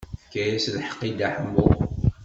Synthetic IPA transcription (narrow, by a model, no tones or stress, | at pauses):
kːæjæslħə̥qːid̪aħəmːʊ